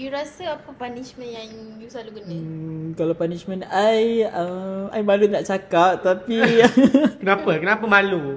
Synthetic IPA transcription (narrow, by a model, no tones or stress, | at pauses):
juɾasəapəpanismə̃njaŋjusaluɡunkalawpanismə̃najəa̰jmãlunaʔt͡ʃakap̚t̪api | kənãpəkənapəmãlu